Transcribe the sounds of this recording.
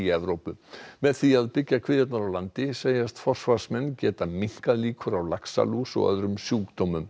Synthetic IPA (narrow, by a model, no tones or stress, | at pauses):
iɛvɾowpʏmɛðθiaðpɪcːakʰv̥ɪːðjat̪naɾawlant̪ɪseːjast̪fɔr̥svaɾ̥smɛnːcɛːt̪amiŋ̥kaðliːkʰʏɾawlaksa̰lusɔ̰ɣœ̰ðɾʏmsjuːkt̪owmʏm